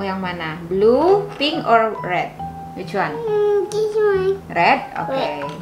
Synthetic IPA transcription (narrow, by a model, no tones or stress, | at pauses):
jaŋmanahblupɪŋɔrːɛt̪̚ | wu̥d͡ʒ̥uanirɛd̪̚o̰ke